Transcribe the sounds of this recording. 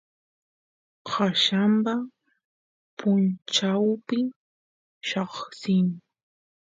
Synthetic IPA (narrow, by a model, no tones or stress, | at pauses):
haʃampa | pʊnt͡ʃawpɪ | ʃɑχsɪŋ